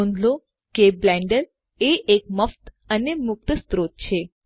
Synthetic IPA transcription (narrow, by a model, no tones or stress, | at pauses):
õnd̪lo | keblɛ̃ɳɖəɾ | eʔek̚məft̪ | ənemʊk̚t̪əst̪ɾot̪̚t͡ɕʰe